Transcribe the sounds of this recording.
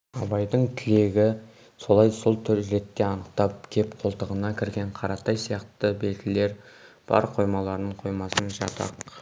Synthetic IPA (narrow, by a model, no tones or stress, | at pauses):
ɑbɑjd̪əɴt̪ʰɪle̞ɡʲɪ | so̞lˠɑjso̞lˠt̪ʰʏɾɾe̞t̪ːe̞ɑnəqt̪ɑp̚kʲʰe̞pqʰo̞lˠt̪əʁənɑkʲʰɪɾɡʲe̞ɴqʰɑɾɑt̪ɑjsijɑqt̪əbe̞lt̪ʲɪle̞ɾ | b̥ɑ̰ɾqʰo̞jmɑlˠɑɾnəɴqʰo̞jmɑsənʒɑ̰t̪ʰɑ̰q